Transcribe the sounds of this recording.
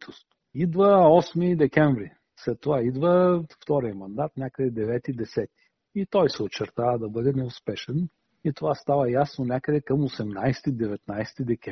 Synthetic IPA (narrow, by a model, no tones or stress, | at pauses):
t̪ost̪ | id̪vəɔsmid̪ɛkʲɛɱvɾi | slɛt̪ːovaid̪vəft̪ɔɾijəmɐnd̪at̪nʲakəd̪ɛd̪ɛvɛt̪id̪ɛsɛt̪i̥ | it̪ɔjsɛot͡ʃɛɾt̪avɐd̪ɐbɤd̪ɛnɛʊspɛʃɛn | it̪ovast̪avɐjasnonʲakəd̪ɛkɐmosɛmnajst̪id̪ɛvɛt̪najst̪id̪ɛkʲɛ